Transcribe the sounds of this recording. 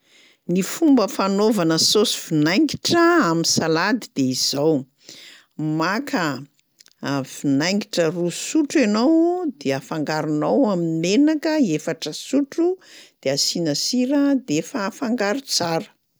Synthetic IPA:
nifumbəfanovanəsosi̥v̥inajŋɡiʈ͡ʂəaminsalad̪id̪̥eiz̥aw | makə | v̥inajŋɡiʈ͡ʂərusuʈ͡ʂenowd̪eafaŋɡaɾunawaminimenakəefaʈ͡ʂəsuʈ͡ʂud̪̥easinəsiɾəd̪efaːfaŋɡaɾut͡saɾə̥

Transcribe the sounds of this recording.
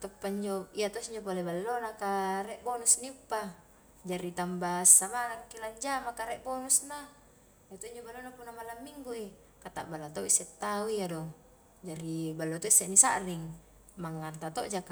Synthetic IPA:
t̪opːaiɲd͡ʒoiat̪osiɲd͡ʒopolebalːonakarɛʔbonusniupːa | d͡ʒaɾit̪ambasːamanaŋkilaɲd͡ʒamakaɾɛʔbonusna | jat̪oiɲd͡ʒobalːonapunːamalamːiŋɡui | kat̪a̰ʔbalːat̪oʔisɛt̪ːauiadɔŋ | d͡ʒaɾibalːot̪oisːɛnisaʔriŋ | maŋːart̪at̪o̰ʔd͡ʒaka

